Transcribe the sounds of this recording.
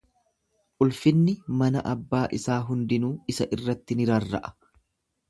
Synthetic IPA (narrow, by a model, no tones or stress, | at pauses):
ʔʊlfɪnːɪmɐnɐ̰ʔɐbːaːʔɪsaːɦʊnd̪ɪnuːɪsɐʔɪrːɐt̪ːɪnɪɾɐrːɐ̰ʔɐ̥